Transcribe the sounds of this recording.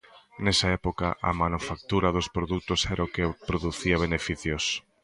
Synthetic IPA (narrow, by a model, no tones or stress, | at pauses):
nɛsɐɛpokɐʔɐ̰manufak̚t̪uɾɐðospɾoðut̪ʊsɛɾaokepɾoðuθiɐβ̞enefiθjos